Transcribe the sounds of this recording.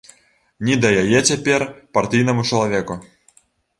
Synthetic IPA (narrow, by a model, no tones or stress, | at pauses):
nʲid̪ajajet͡sʲɛpʲerpart̪ʲɨjnɐmut͡ʂɐlˠavʲeku